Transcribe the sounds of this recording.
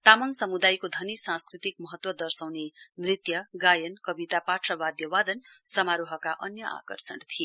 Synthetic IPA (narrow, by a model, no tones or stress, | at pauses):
t̪amʌŋsʌmud̪ajkod̪ʱʌnisãskrit̪ik̚mʌɦʌt̪wʌd̪ʌrsawnemrit̪jʌɡajʌnkʌbit̪apaʈʂʌbad̪jʌwad̪ʌnsʌmaɾuɦʌkaʔʌnjʌa̰kʌrsʌɽt̪ʰie